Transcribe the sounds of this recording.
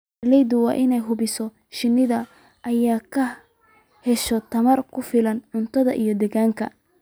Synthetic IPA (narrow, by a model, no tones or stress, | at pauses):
lɛjd̪ʊwɑ̰ːʔɪnɛjɦʊβɪsɔ | ʃɪnːɪðɐ | ʔɐjaːkʰɐ | hɛʃɔt̪ʰɐmɐrkʰʊfɪlɐnʕʊnt̪ʰɐðɐʔijɞd̪ɛɣaːŋkʰɐ̰